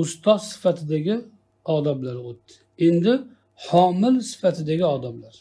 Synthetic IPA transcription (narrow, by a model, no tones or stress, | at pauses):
ʊst̪ʰɒzsɪ̥fat̪ʰɪd̪aɡʲɪ | ɒd̪ablaɾot̪ːɪ̥ | end̪ɪ | hɒmɪlsɪ̥fat̪ʰɪd̪aɡʲɪɒd̪ablaɾ